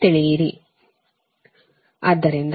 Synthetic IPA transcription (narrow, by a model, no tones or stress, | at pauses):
t̪iɭijiɾi | ɐd̪ːɐɾind̪